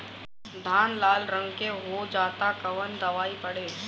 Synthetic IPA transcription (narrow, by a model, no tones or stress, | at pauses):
d̪ʱaːnlaːlɾə̃ŋɡkeɦod͡ʒaːt̪akɐʋənd̪ɐʋaːipɐɽeː